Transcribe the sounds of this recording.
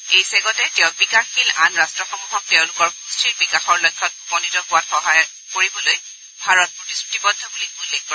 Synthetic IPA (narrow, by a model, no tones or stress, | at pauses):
ejsɛɡɔtɛtɛʊ̃bikaxxila̰nɹastɹɔxɔmubʱɔk̚teʊ̃lʊkɔɹkustʰɹiɹbikaxɔɹlɔjkʰːɔt̚upɔnitɔpʊwatxɔɦaj | koɹibɔloj | bʱaɹɔt̚pɹotisɹutibɔdʱːɔbuliulːek̚pɔ